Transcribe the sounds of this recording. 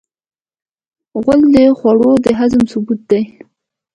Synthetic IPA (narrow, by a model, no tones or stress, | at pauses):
ɣʷʊld̪əxwaɽod̪əɦazəmsʊbut̪̚d̪aj